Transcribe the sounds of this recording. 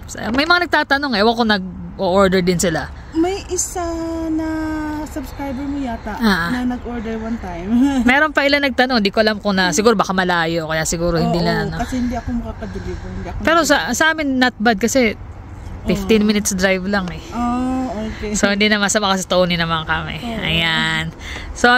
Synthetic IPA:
sɐmɐjmɐŋanɐɡ̚t̪aːt̪ɐno̞ŋɛwɐɡ̚konɐɡ̚ | ʔoʔoɹd̪ɛɹd̪ɪnsɪla | mɐjʔɪsanɐsɐbskɾajbɛɹmojaːt̪aʔʔaːʔanɐnɐɡʔoɹd̪ɛɹwant̪ajmmɛːɾo̞npɐʔɪlanɐɡ̚t̪ɐnoŋhɪnd̪iːkoʔɐlamkʊŋnɐsɪɡuːɾobakamɐlaːjoʔkɐjaʔsɪɡuːɾohɪnd̪ilɐɐnɐsɛhɪnd̪iɐkomɐkakɐd̪ɪlɪbohɪnd̪iːɐpɛːɾosɐsɐʔaːmɪnːɐt̪̚bad̪̚kɐsɛ | fɪft̪ɪnmɪnɪt̪sd̪ɾajvlaŋɛookesohɪnd̪inɐmansɐmɐkɐst̪ownɪnɐmankɐmɛ̰ʔɐ̰jan | so

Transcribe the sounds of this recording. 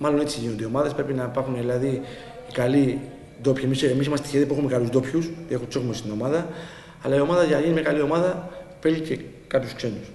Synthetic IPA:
mɐlo̞net͡siʝino̞nd̪eo̞mɐðespɾe̞pinɐipɐɾxunðilɐðiː | kɐli | d̪o̞pçiemisemisimɐst̪e̥çeðpuxumekɐluzd̪o̞pçuste̞xut͡so̞ɣmest̪ino̞mɐðɐː | lɐio̞mɐðɐʝɐnɐʝinimɲakɐlio̞mɐðɐfe̞ʎice̞ | kɐpjuskse̞nus

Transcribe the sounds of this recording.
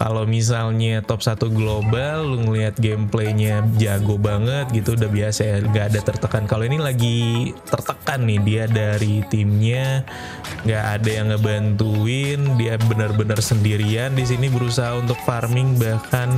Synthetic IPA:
ka̰lowmis̬alɲat̪ɔp̚sat̪uɡlobalːuŋəliɦat̪̚ɡempleɲad͡ʒaɡobaŋət̪̚ɡit̪udahbiasaaŋɡaːdat̪ərt̪əkankaloinilaɡit̪ərt̪əkanːɪhdiadaɾit̪imɲa | ŋɡaʔadajaŋːəbant̪uɪndiabənərbənərsəndiɾiandis̬inibəɾusaɦaunt̪ʊk̚farmɪŋbakan

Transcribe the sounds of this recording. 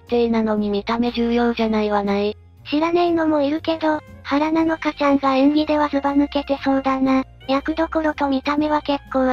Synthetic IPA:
t̪einano̞ɲ̟imʲit̪ame̞ʑɨːjo̞ːʑanaiβanai | ɕiɾaneino̞mo̞iɾɯ̟ke̞d̪o̞haɾanano̞kat͡ɕãŋɡaẽŋɡʲid̪e̞βasɨbanɯ̟ke̞t̪e̞soːd̪ãna | jʲakɯ̟d̪o̞koɾo̞t̪o̞mʲit̪ame̞βake̞kːoː

